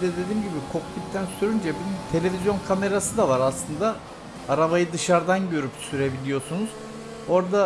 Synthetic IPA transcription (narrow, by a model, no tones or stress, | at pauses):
d̪ɛd̪e̞d̪iːmɟibikʰo̞klʲip̚t̪ʰænsyɾynd͡ʒɛbinmt̪ʰe̞lʲe̞vʲizjo̞nkʰame̞ɾasɯd̪avaɾaslˠɯnd̪a | aɾaβajɯd̪ɯʃaɾd̪anɟø̞ɾypsyɾe̞bilʲijo̞sunuz̥ | o̞ɾd̪a